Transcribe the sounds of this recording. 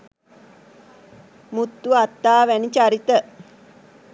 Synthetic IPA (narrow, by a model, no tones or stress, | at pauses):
mut̪ːuat̪ːaːʋænit͡ʃaɾit̪ə